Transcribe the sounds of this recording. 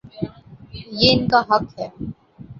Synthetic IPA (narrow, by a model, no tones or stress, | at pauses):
jeɪnkaɦɐkhɦɛː